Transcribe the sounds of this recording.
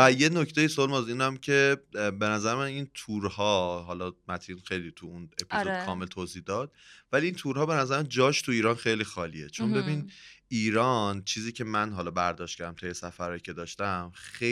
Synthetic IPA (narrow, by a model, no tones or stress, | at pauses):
æje̞noct̪ejisolmæziːnæmcʰe̞be̞næzæɾemænint̪ʰuɾhɒːɦɒlɒmæt̪ʰinxe̞jliːt̪ʰuune̞pʰizod̪̥kʰɒːme̞lt̪ʰozihd̪ɒːd̪̥̚væliint̪ʰuːɾɦɒːbe̞næzæɾemæd͡ʒɒːʃt̪ʰuiːɾɒnxe̞jliːxɒːlḭe̞t͡ʃʰo̞nbe̞biːniːɾɒnt͡ʃʰiːziːcʰe̞mænɦɒlɒbæɾd̪ɒʃt̪̚cæɾd̪æmt̪ʰejesæfæɾɒːjicʰe̞d̪ɒːʃt̪æmxe